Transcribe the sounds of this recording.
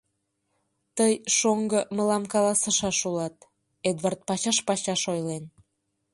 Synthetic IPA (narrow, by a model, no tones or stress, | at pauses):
t̪əjʃoŋɡəmə̆lɑmkɑlɑsə̆ʃɑʃulɑt̪ | ed̪vɑrt̪̚pɑɕɑʃpɑɕɑʃojlen